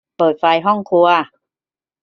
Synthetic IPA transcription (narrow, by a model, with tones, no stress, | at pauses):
pɤː˨˩t̪̚fa˧jɦɔ˥˩ŋkʰu˧ɐ